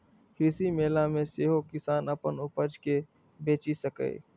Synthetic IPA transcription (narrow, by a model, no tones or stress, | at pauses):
hɪsimeːlamẽseːɦokɪsaːnɐpənʊpəd͡ʒke | beːt͡ʃisəkḛː